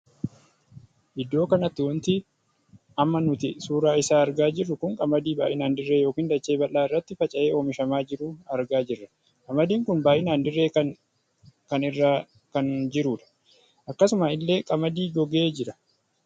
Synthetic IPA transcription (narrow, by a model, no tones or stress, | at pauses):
ʔɪd̪ːo̞ːkɐnɐt̪ːɪwɔnt̪ɪ | ɐmːɐnʊt̪ɪsuːɾaːɪsaːɐɾɡaːd͡ʒɪrːʊkʊŋkʼɐmɐd̪iːbaːʔɪnaːnd̪ɪrːeːjo̞ːkiːnd̪ɐt͡ʃːe̞ːbɐlːaːɪrːɐt̪ːɪfɐt͡ʃʼɐʔe̞ːoːmɪʃɐmaːd͡ʒɪɾuːɐɾɡaːd͡ʒɪrːɐ | kʼɐmɐd̪iːŋkʊnbaːʔɪnaːnd̪ɪrːeːkɐ | kɐnɪrːaː | kɐnd͡ʒɪɾuːᶑɐ̥ | ʔɐkːɐsʊmaɪlːe̞ːkʼɐmɐd̪iːɡɔɡeːd͡ʒɪɾɐ̥